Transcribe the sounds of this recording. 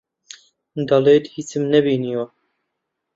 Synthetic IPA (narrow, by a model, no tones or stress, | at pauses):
d̪ɑleːd̪hit͡sɨmnɛbiːnijo